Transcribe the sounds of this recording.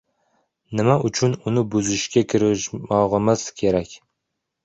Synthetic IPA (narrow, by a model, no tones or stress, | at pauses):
nɪmaʔʊt͡ʃʰʊnʊnɪbʊzɪʃkʲakʲʰɪɾɪʃmɒʁɨmɪz̥kʲʰe̞ɾakʲ